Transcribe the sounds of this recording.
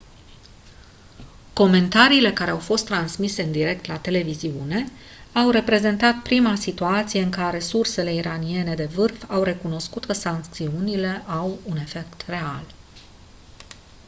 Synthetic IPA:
ko̞me̞nt̪aɾiːle̞kaɾe̞awfo̞st̪ːɾansmise̞ɨnd̪iɾe̞k̚t̪lat̪e̞le̞viziune̞ | awre̞pɾe̞ze̞nt̪at̪̚pɾimasit̪uat̪sije̞ɨŋkaɾe̞surse̞le̞iɾanie̞ne̞d̪e̞vɨrfawre̞kuno̞skut̪kəsaŋk̚t̪siunile̞ʔawune̞fe̞k̚t̪re̞al

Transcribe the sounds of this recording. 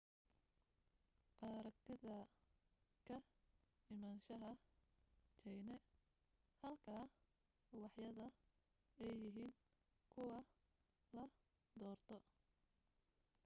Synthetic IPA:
ʔɐɾɐkt̪ʰɪðɐ | kʰɐɪmaːnʃɐɦɐ | t͡ʃɛjnɛ | hɐlkʰaː | wɑħjɐðɐ | ɛjːɪɦiːŋ | kʰʊwɑ | lɐ | d̪ɔːrt̪ʰɔ

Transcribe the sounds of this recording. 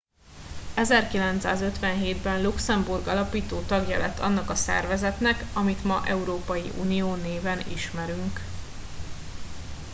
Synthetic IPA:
ɛzɛrkilɛnt̪sa̰ːzø̞t̪ʋɛnɦeːd̪bɛnluksɛmburɡɒlɒpiːt̪oːt̪ɒɡjɒlɛt̪ʰːɒ̰nːɒkɒsɛ̰rvɛzɛt̪nɛkɒmit̪mɒʔɛuɾoːpɒjḭʔṵnijoːneːvɛnḭʃmɛɾyŋk

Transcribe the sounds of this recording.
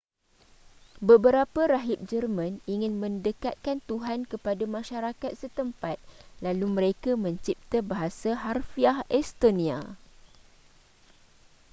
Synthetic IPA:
bəbəɾapaɾaɦip̚d͡ʒərmãniŋɪ̃nmə̃ndəkat̪̚kant̪uɦankəpadamãʃaɾakat̪̚sət̪əmpat̪̚lalumə̃ɾekamə̃ɲt͡ʃip̚t̪abaɦasaɦarfiahɛst̪onĩa̰

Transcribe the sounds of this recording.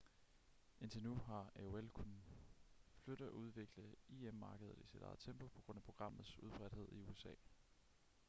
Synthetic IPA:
ʔe̝nt͡sʰe̝lnuɦɑ̈æoelkʰun̩ | fløɾ̥əæʔuð̞ˠʋe̝ɡ̥ləð̩ˠiemːɑ̈ːɡ̥əð̞̩ˠisid̥ɑ̈ð̩ˠt͡sʰemb̥ʰopʰɒ̽ɡ̥ʁɔ̽n̰æpʰʁo̝ɡ̥ʁɑ̈m̰ð̩ˠsuð̞ˠb̥ʁɛd̥he̝ð̞̰ˠiuesɛ̰ː

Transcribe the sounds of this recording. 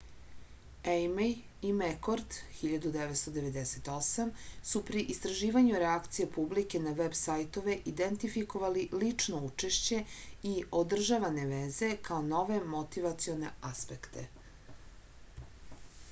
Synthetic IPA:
ejmej | imekoɾd̪xiʎad̪ud̪eʋet̪st̪o̞d̪e̞ʋe̞d̪ese̞t̪o̞samsupɾiʔist̪ɾaʒiːʋaɲuɾeakt̪sijepublike̞naʋebsajt̪o̞ʋe̞ʔid̪ent̪ifiko̞ʋalilit͡ʂno̞ut͡ʂe̞ʃt͡ɕe̞iod̪r̩ʒaʋane̞ʋeze̞kaono̞ʋe̞mot̪iʋat̪sio̞ne̞̰aspekt̪ʰe̞̰

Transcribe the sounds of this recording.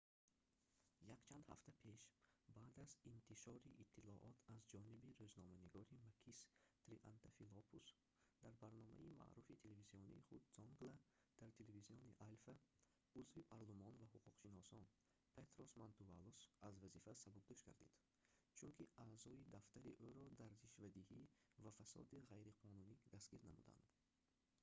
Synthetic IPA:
jakt͡ʃʰand̪ha̰ft̪ʰapʰe̞ʃbaːd̪azint̪ʰiʃɔɾiʔit̪ʰːilɔʔɔt̪ʰazd͡ʒɔnibiɾøznɔmæniɡɔɾimakʰist̪ɾiʔa̰nt̪afilɔpʰus | d̪aɾbaɾnɔmæ̰ima̰ʔɾufit̪ʰeleviziɔnḭːχud̪zɔŋɡla | d̪̥aɾt̪ʰeleviziɔniʔalfa | uzvipʰaɾlˠumɔnvahuquqʃinɔsɔn | pʰet̪ɾosmant̪uvalusazvazifasabuɡ̚d̪ɔʃkʰa̰ɾd̪ḭd̪̥ | t͡ʃʰunkʰiaːzɔid̪aft̪ʰaɾiʔøɾɔd̪aɾːiʃvad̪ihivafæsɔ̰d̪iʁajɾiqʰɔnunid̪asɡ̥iɾnamṵd̪a̰nd̪

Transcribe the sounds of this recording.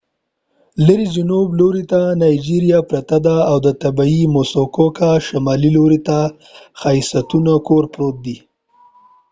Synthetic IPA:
ləɾid͡ʒɪnobloɾit̪anɑjd͡ʒiɾijapɾat̪ad̪aːwd̪ət̪abaimosokokaʃamɑliloɾit̪a | xaisat̪unakoɾpɾot̪̚d̪i

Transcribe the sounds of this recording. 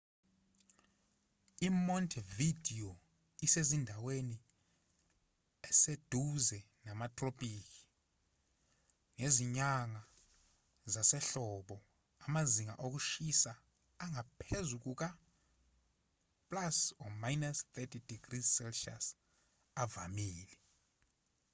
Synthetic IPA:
imɔntʰvidio | isezindʱaweni | ɛsed̥ʱuzɛ | namatʼropʼiːk̬ʰʼi̥ | ŋeziɲaŋa | zasɛɬɔɓɔ | amaziŋa̰ʔok̬uʃisaː | ŋapʰezuk̬ʼuk̬a | pʼlasɔmajnast̪ʰɛtʰid̥iɡ̥risɛlʃa̰s | ava̰miːlɛ

